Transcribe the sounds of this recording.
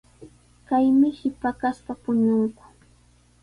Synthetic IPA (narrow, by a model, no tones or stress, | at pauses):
kajmɪhɪpakasp̪apʊɲʊŋkʊ̥